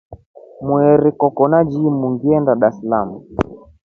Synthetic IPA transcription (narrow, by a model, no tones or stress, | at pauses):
muɛɾikɔkɔnad͡ʒimuŋɡiɛndaɗaslamu